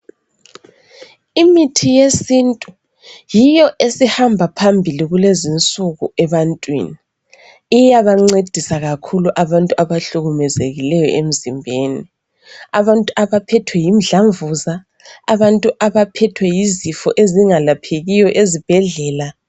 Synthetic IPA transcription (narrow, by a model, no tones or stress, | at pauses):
imitʰijesintʼu | jijɔʔesihambʱapʰambʱiliɣulezint͡sʼuɣuɛβantʼwḭni | ijaβaŋ͡ǀed̥ʱisaɣakʰuluʔaβantʼuaβaɬuɣumɛzeɣilɛjɔ̰ʔem̩zimbʱeːni | aβantʼuaβapʰɛtʰwɛjimɮaɱvuzaː | βantʼuʔaβapʰɛtʰwɛjizifɔʔeziŋalapʰeɣijɔʔezib̥ʱɛɮɛːla